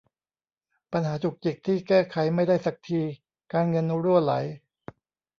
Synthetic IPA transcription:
pa˧nɦaː˩˦t͡ɕʰu˨˩k̚t͡ɕi˨˩k̚t̪ʰiː˥˩kɛː˥˩kʰa˩˦jma˥˩jdaː˥˩jsa˨˩k̚t̪ʰiː˧ | kaː˧nŋɤ˧nːu˦˥ɾu˥˩ənla̰˩˦j

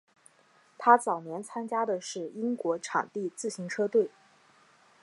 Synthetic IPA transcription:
t̪ʰa˥t͡sɑ˨˩ʊnjɛ˧˥nt͡sʰa˥nt͡ɕja˥d̪ə˨ʂɻ̩˥˩i˥ŋkwɔ˧˥ʈ͡ʂʰɑ̰˨˩ŋt̪i˥˧t͡sɹ̩˥˩ɕi˧˥ŋʈ͡ʂʰɤ˥t̪we˥˩ɪ

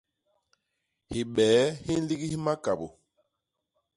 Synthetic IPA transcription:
hi˨ɓɛː˨˦hi˦n˦li˦ɡi˦hi˦ma˦ka˨bṵ˨

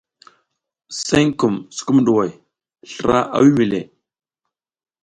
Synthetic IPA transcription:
se˦ŋku˨msu̥˨ku˦mɗu˨wa˨j | ɬɾʔa̰˦ʔa̰˦wi˦mi˨lḛ˨

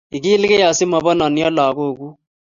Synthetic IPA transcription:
i˨ki˦lkɛ˦ja˨sɪ˦ma˨ba˦na˨nja˦laː˨ko˦˨ku˦

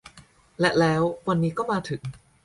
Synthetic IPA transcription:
lɛ˨˩lɛː˦˥wwa˧nːiː˦˥kɔː˥˩maː˧t̪ʰɯ˨˩˦ŋ

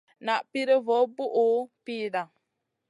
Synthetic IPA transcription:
na˨ʔpi˦ɾə˦vo˨˦bu˦ʔo˨˦piː˦˨da˨

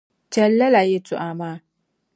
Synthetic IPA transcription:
d͡ʒɛ˨lːa˦la˨je˦tʰʊ̰˨ʔa˨maː˦

